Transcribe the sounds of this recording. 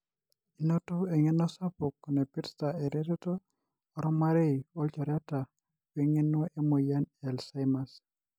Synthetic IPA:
i˨no˦to˦e˨ŋe˦nɔ˦sa˦po˨kːɔ˨ne˨pi˦ɾsta˨e˨ɾe˦ɾe˦to˦ | ɔ˨ɾɔ˦ma˦ɾe˦i˨ɔ˦lt͡ʃɔ˨ɾɔ˦ta˨ | we˦ŋe˦nwo˦ʔe˦mo˨ja˦nɛ˨lsa˦jma˨s

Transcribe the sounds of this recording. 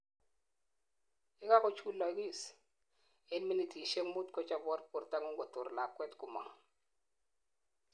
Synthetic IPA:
ɪ˦ka˦kɔ˨t͡ʃu˦lɔ˨˦ɡi˦˨s | e˦nmi˦ni˨ti˨ʃe˦ŋmu˦tkɔ˦t͡ʃa˦bɔ˦ɾpu˨ɾta˦ŋu˦ŋɡɔ˨tʊ˨ɾla˨kːwɛ˦tkʊ˨ma̰˨

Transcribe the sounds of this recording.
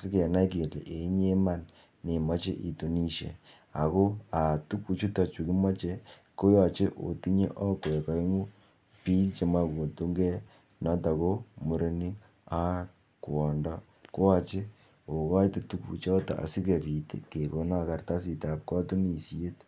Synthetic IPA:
si˦kɛ˨na˦jke˨lḛ˨ʔe˨˦ɲe˦ma˦˨n | ne˨ma˦t͡ʃḛ˦ʔḭ˨to˨ni˦ʃḛ˨ | a̰˨ko˦a˨tu˦ku˨t͡ʃu˦ta˨t͡ʃu˨ki˦ma˦t͡ʃe˦ | ko˦ja˨t͡ʃe˦ʔo̰˨ti˦ɲḛ˦ʔɔ˦kwka˨i˦ŋu˦ | pi˦t͡ʃe˨ma˦ko˨tu˦ŋɡɛ˦ | nɔ˦ta˨ko˦mo˨ɾe˨ni˦ | a˦ | ku˨ɔ˨ndɔ˦ | ko˦wa˨t͡ʃe˦ | o˨ka˦i˦te˨tu˦kṵ˨t͡ʃɔ˦ta̰˨ʔa̰˨si˦ke˨pi˨tḛ˦ke˨ko˨na˦˨ka˦rta˦s̬i˨ta˨p̚kɔ˦tu˦ni˨si˦e˦t

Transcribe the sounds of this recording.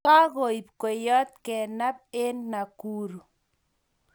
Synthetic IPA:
a˦ɣo˨i˨p̚kwe˨jɔ˦t̪̚kɛ˨na˦p̚e˦nːa˨kuː˦ɾu˨

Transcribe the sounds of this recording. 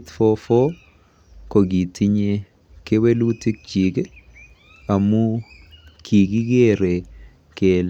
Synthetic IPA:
t̪fo˦fo˦ | ko˨ɡi˨tʰi˦ɲe˦ | ke˦we˦lu˦ti˦k̚t͡ʃi˨ɡ | a˨mu˦ | kʰi˨ɡi˦ɡe˦ɾe˨ | ke˨l

